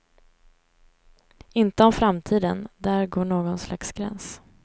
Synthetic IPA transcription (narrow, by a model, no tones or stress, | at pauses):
ɪnt̪əɔmfɾamt̪ʰiːd̪ənd̪æːɾɡoːɳoːɡɔnsla̰ksɡɾɛ̰ns